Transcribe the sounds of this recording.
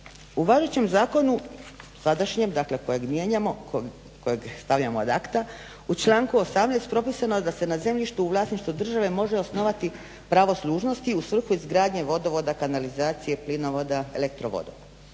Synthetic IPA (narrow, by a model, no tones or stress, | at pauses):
uʋaʒet͡ɕe̞mzaːko̞nusad̪aʃɲemd̪akle̞ko̞jeɡmjeɲamo | kojeɡst̪aʋʎamo̰d̪akt̪a | ut͡ʃlˠaːŋkuo̞samnɛjst̪̚pɾo̞piːsanoed̪ase̞naze̞mʎʲiʃt̪uːʋlˠaːsniʃt̪ud̪r̩ʒaʋe̞mo̞ʒeosno̞ʋat̪i | pɾaʋo̞slˠuːʒno̞st̪iusʋr̩xuizɡɾaːd̪ɲe̞ʋo̞d̪oʋo̞d̪akanalizaːt̪sije̞plinoʋod̪aḛlek̚t̪ɾo̞̰ʋo̰d̪o̰